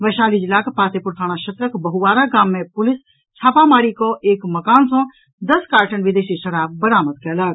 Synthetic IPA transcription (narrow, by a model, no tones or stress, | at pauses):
ʋɐʃaːlid͡ʒɪlaːkpaːt̪epʊɾt̪ʰaːɽ̃aʃɐt̪ɾəkbɐɦuʋaːɾaɡaːmːẽpʊlɪs | t͡ʃʰaːpamaːɾikoʔeːkmɐkaːnsõː | d̪ɐskaːɾʈənʋɪd̪eːʃiʃɐɽaːb̚bəɾaːmət̪̚kɛːlaːɾ